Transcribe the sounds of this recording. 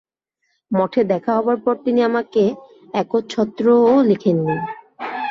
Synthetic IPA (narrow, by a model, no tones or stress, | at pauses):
mɔʈʰed̪ɛkʰaɦɔbaɾpɔɾt̪iniamake | ɛkot͡ɕʰɔt̪ːɾoolikʰenːi